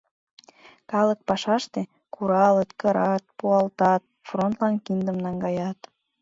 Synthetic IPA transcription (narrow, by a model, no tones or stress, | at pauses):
kɑlək̚pɑʃɑʃt̪e | kuɾɑlət̪kəɾɑt̪̚puɑlt̪ɑt̪̚front̪lɑnkind̪əmnɑŋɡɑjɑt̪